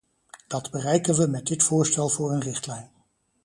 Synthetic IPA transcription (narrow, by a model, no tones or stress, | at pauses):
d̥ɑdbərɛjkənʋəmɛdɪtfʊːɹstɛlˠvʊːɹənrɪχtlɛjn